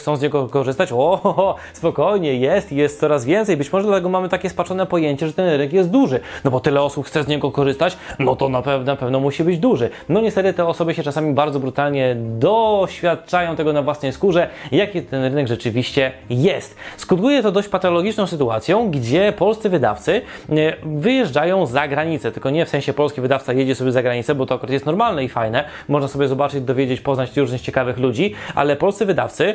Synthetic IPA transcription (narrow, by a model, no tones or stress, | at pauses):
t̪sɔ̃w̃zɲɛɡɔkɔʐɘst̪at͡ɕɔ | spɔkɔjɲɛjɛst̪ijɛst̪sɔɾazvʲjɛnt̪sɛjbɘt͡ɕmɔʐɛd̪lat̪ɛɡɔmamɘt̪akʲɛspaʂɔnɛpɔjeɲt͡ɕɛʐɛt̪ɛnɾɘɘnɛkjɛst̪̚d̪uʐɘnɔbɔt̪ɘlɛɔsupxt̪sɛzɲɛɡɔkɔʐɘst̪at͡ɕnɔt̪ɔnapɛvnapɛvnɔmuɕibɘd͡ʑd̪uʐɘnɔɲɛst̪ɛt̪ɘt̪ɛɔsɔbɘɕɛt͡ʂasamʲibaɾd̪zɔbɾut̪alɲɛd̪ɔɕfʲjat̪̚t͡ʂajɔ̃w̃t̪ɛɡɔnavwasnɛjskuʐɛjakʲit̪ɛnɾɘnɛɡʐɛt͡ʂɘvʲiɕt͡ɕɛjɛst̪skut̪kujɛt̪ɔd̪ɔɕt͡ɕpat̪ɔlɔɡʲit͡ʂnɔ̃w̃sɘt̪ua̰t̪sʲjɔ̃w̃ɡd͡ʑɛpɔlst̪sɘvɘd̪a̰ft̪sɘ | vɘjɛʐd͡ʐajɔ̃w̃zaɡɾaɲit̪sɛt̪ɘlkɔɲɛfsɛ̃ɕɛpɔlskʲivɘd̪aft̪sajed͡ʑɛsɔbʲjɛzaɡɾaɲit̪sɛbɔt̪ɔakuɾat̪jɛst̪nɔɾmalnɛifajnɛ | mɔʐnasɔbʲjɛzɔbat͡ʂɘd͡ʑd̪ɔvʲjed͡ʑet͡ɕpɔznat͡ɕɾuʐnɘt͡ɕɛkavɘxlud͡ʑiʔa̰lɛpɔlst̪sɘvɘd̪a̰ft̪sɘ